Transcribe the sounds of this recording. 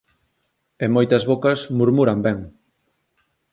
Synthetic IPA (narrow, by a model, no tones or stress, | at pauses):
emojt̪ɐzβokɐsmuɾmuɾɐmbɛŋ